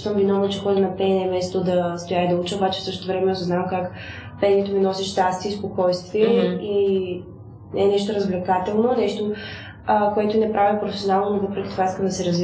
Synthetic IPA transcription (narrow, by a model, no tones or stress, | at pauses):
t̪əmvinɔvnot͡ʃɛxɔd̪ʲɛnɐpɛɛmɛst̪od̪ɐst̪ojaid̪ɐut͡ʃəobat͡ʃɛ̥fsɤʃt̪ot̪ovɾɛmɛosoznamkak | pɛnʲɛt̪ominɔsiʃt̪ast̪ispokɔjst̪viɛi | nɛnɛʃt̪oɾəzvlɛkat̪ɛlˠnonɛʃt̪o | əkoɛt̪ʊinɛpɾʔavipɾofɛsionalˠnonovɤpɾɛkʲit̪ovaiskəmd̪ɐsɛɾɐzvi